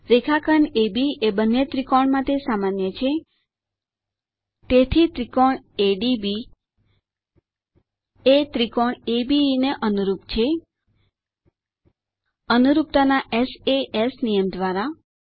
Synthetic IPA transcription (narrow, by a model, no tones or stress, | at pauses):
ɾekʰakʰəɳebiebənːet̪ɾikɔɳmãt̪esamanjət͡ʃʰe | t̪et̪ʰit̪ɾikɔɳeɖibi | et̪ɾikɔɳebineʔənuɾupt͡ʃʰe | ənuɾup̚t̪anaʔeseʔesnijəmd̪ʋaɾa